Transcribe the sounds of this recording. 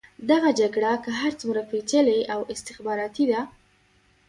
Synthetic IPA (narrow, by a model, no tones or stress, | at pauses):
d̪aɣad͡ʒaɡɽakəɦaɾt͡sumɾapet͡ʃəleawɪst̪ɪxbɑɾɑt̪id̪a